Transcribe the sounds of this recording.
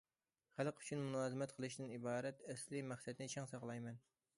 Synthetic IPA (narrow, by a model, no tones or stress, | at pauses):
χælˠqy̥t͡ʃʰynmunɑːzɨmɛt̪̚qʰəlˠɨʃd̪ɨnibɑːɾɛt̪ɛslɪmæχsɛd̪nɪt͡ʃʰɛŋsɑqlˠɑjmɛn